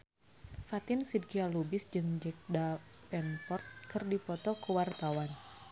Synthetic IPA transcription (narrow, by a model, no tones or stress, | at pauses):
fat̪ɪnsid̚kialubɪsd͡ʒɨŋd͡ʒɛk̚da | pɛnpɔrt̪̚kɨrdipɔt̪ɔkəwart̪awan